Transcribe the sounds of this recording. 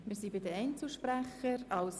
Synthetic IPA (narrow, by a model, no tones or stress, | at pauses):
mɪːɾsibɪd̪əɛɪnt͡slʃpɾæχəɾɑws